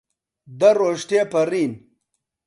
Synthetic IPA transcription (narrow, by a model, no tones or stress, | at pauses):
d̪ɐɾoːʂʈepɐɾiːn